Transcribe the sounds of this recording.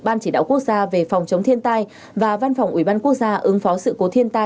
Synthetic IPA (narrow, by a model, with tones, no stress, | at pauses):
ɓaː˧nt͡ɕi˧˩ɗa̰ː˧˨wku˦˥ək̚zaː˧ve˨˩fa˨˩wŋ͡mt͡ɕə˨˦wŋ͡mt̪ʰənt̪aː˧j | vaː˨˩va˧nfa˨˩wŋ͡mʔi˧˩ɓaː˧nku˦˥ək̚zaː˧ʔɨ˨˦ŋfɔ˨˦sɨ̰˧˨ko˨˦t̪ʰi˧ənt̪aː˧